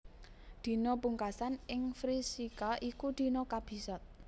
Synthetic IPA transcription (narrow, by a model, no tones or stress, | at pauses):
d̪̥i̤nopuŋkasanɪŋfɾisikaʔikud̪̥i̤nɔkab̥i̤sɔt̪̚